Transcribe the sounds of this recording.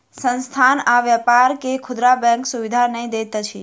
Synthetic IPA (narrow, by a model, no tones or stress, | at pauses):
sənst̪ʰanaʋjəpaɾkekʰʊd̪ɾabɛ̃ŋksuʋid̪ʱanəĩd̪et̪t͡ʃʰi